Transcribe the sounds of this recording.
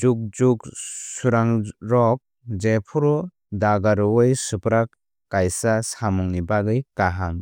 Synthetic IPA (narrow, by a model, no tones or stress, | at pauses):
d͡ʒuk̚d͡ʒuksuɾaŋɾɔk̚ | d͡ʒepʰuɾɔ | daɡaɾɔwɔjsɯpɾakː | ajsasamɔŋnibaɡɯjkaɦam